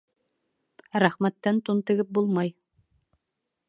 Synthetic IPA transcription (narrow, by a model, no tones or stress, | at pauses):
ɾæχmæt̪ːænt̪ont̪ɤ̆ɡɘp̚bulˠmɑj